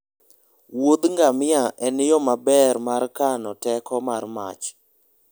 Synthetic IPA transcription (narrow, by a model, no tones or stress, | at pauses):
wod̪ŋɡamɪaʔɛnɪjɔmabɛrmarkanɔtɛkɔmarma̰t͡ʃ